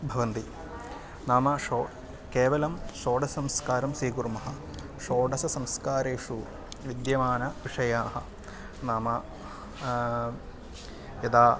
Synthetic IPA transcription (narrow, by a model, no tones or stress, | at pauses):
bʱɐʋɐnt̪i | naːmɐʂoː | keːʋɐlɐmʂoːɖɐɐmskaːɾɐmsiːkuɾmɐɦɐ̆ | ʂoːɖɐsɐsɐmskaːɾeːʂu | ʋid̪jɐmaːnɐʋiʂɐjaːɦɐ̆ | naːmɐ | jɐd̪aː